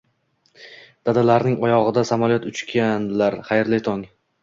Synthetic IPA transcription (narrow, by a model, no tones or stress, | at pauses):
d̪̥ad̪alaɾnɪŋɒjɒʁɨd̪asamɒlˠjɒt̪ʊt͡ʃkʲʰanlaɾχajɾlɪt̪ʰɒŋ